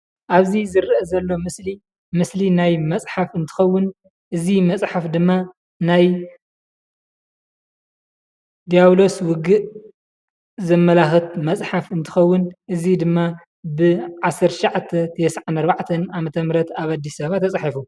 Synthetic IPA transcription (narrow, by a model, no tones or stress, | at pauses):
ʔaβzizɨɾʔɐzɐlːo̞mɨsli | mɨslinajmɐt͡sʼħafɨnt̪ʰɨ̥xɐwːʊn | ʔɨzimɐt͡sʼħafd̪ɨmːa | naj | d̪ijaβlo̞swʊɡɨʔ | zɐmːɐlaxɨt̪mɐt͡sʼħafɨnt̪ʰɨ̥xɐwːʊnʔɨzid̪ɨmːa | bɨʕasːɐɾt̪ʰʃiʕat̪ʰːɐt̪ʰɐɛsʕanɐɾbaʕt̪ʰɐnamɐt̪ʰɐmɾɐt̪aβad̪ːisaβat̪ʰɐt͡sʼħifu